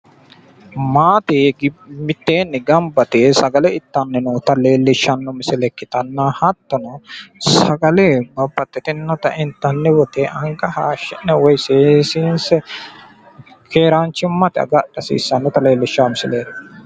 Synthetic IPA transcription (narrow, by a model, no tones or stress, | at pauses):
maːt̪eɡmɪt̪ːeːnːɪɡɐmbɐt̪ɪsɐɡɐlɛɪt̪ːɐnːɛnuːt̪ɐle̞ːlːɪʃːɐnːʊmɪsɪlɛkːɪt̪ɐnːahɐt̪ːɔnɐsɐɡɐlɛbɐbːɐt̪ːɛt̪ɪnnːɔt̪ɐʔɪnt̪ːɐnːɛwɔt̪ɛʔɐŋkɐhaːʃːɛnːɛwɔjseːsiːnsɛ | kʰeːɾaːnt͡ʃːɪmːɐt̪ɪɐ̰ɡɐɗɐsḭːsːɐnːʊt̪ɐle̞ːlːɪʃːaːmɪsɪleːd̪